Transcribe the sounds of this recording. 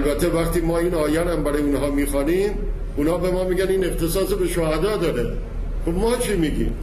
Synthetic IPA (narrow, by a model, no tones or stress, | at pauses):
lbæt̪ʰːevæxt̪iːmɒːiːnɒːjæɾæmbæɾɒːjeunɦɒːmiːxɒːniːm | unhɒːbe̞mɒːmiːɡæniːne̞xt̪esɒːsebeʃohæd̪ɒːd̪ɒːɾe | xobmɒːt͡ʃʰiːmiːɡḭːm